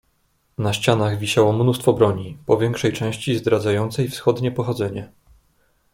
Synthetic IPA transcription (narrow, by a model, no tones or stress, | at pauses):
naɕt͡ɕanaɣvʲiɕawɔmnust̪fɔbɾɔɲipɔvʲjɛŋkʂɛjt͡ʂɛ̃w̃ɕt͡ɕizd̪ɾad̪zajɔnt̪sɛjfsxɔd̪ɲɛpɔxɔd̪zɛɲɛ